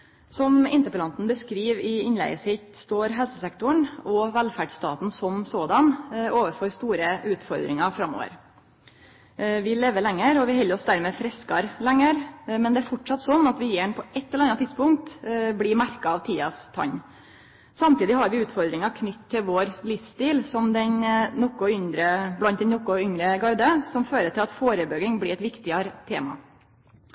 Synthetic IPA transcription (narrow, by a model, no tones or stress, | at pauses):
sɔmɪ̰nt̪əpəlɑnt̪n̩bəskɾiːʋɪɪnlæ̰ɪəshɪt̪st̪oːɾɦɛlsəsɛkt̪ʊəɳɔʋælfæɖst̪ɑ̰ːt̪n̩sɔmsoːd̪ɑnoːʋəɾfoːɾst̪uːɾəʉːt̪fɔɾd̪ɾɪ̰ŋɑfɾɑmːɔ̰ːʋə̰ɾ | ʋɪleːʋəlɛŋːəɾɔʋɪhɛlːəɾɔsd̪æɾmɛːfɾɛskɑɾlɛŋːəɾmɛnd̪ɛæɾfɔʈʂɑt̪ːsɔnːɑt̪ʋɪjeːɳpʰɔʔɛt̪ːɛlɛɾɑnːɑt̪ʰɪd̪spʊŋk̚t̪blɪmæɾkɑɑʋt̪ʰiːɑst̪ʰɑ̰ɲ | sɑmt̪iːd̪ɪhɑɾʋɪʉːt̪fɔɾd̪ɾɪŋɑkʰnʏt̪ʰːɪlʋoːɾlɪfst̪iːlsɔmd̪ɛnnɔkːɔʏnd̪ɾəblɑnt̪d̪ɛnɔkːʊʏŋɾəɡɑɾd̪əsɔmføːɾəʈɪlɑt̪foːɾəbøːɡɪŋblɪɛt̪ʋɪkt̪ɪɑɾət̪ʰḛːmɑ̰